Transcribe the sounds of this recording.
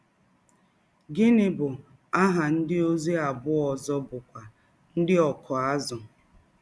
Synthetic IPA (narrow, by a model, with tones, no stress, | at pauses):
ɡɪ˦nɪ˦bʊ˨ | a˦ɦa˨n̩˦dɪ˦o˦ze˦a˨bʊ˦ɔ˨zɔ˦bʊ˨kʷa˨ | n̩˦dɪ˦ɔ˨kʰɔ˨a˦zʊ˨